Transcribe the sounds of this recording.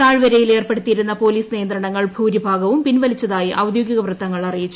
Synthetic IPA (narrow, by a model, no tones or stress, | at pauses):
aːɻʋɐɾɐjile̞ːrpe̞ɽut̪ːijiɾunːɐpo̞ːliːsnijɐnd̪ɾɐɳɐŋːɐɭbʱuːɾibʱaːɡɐʋumpinʋɐlit͡ɕːɐðaːjiʔɐwd̪joːɡiɣɐʋrɨt̪ːɐŋːɐɭɐrijit͡ɕːu